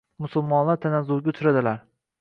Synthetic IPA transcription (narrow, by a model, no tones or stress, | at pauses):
mʊsʊlˠmɒnlaɾt̪ʰanazʊɾɡʲaʊt̪ʰʊɾad̪ɪlaɾ